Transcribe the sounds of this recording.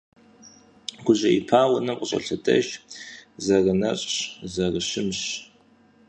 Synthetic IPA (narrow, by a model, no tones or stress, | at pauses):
ɡʷʊʑʼɐipʰaːwɐnɐmqʷʼəɕʼɐ̰ɬɐdʰʼɐʒ | zɐrɐnɐɕʼɕzɐrəɕɪmɕ